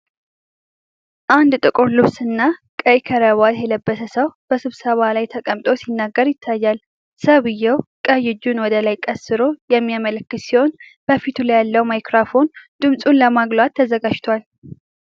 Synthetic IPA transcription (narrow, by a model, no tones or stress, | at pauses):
ʔand̪t̪ʼɨkʼʊɾlɨβsɨnːakʼəjkʰəɾəβat̪jɛləbːəsəsəwb̥əsɨβsəβalajt̪ʰəkʼəmt̪ʼo̞sinːaɡːəɾjɪt̪ʰːajːal | səβɨjːɛwkʼəjɪd͡ʒːunwɔd̪əlajkʼəsɨɾo̞jɛmːijamələkːɨt̪siho̞n | b̥əfit̪ʰulajalːəwmajkɾafo̞nd̪̥ɨmsʼunləmaɡlwat̪ʰːəzəɡad͡ʒt̪ʰwal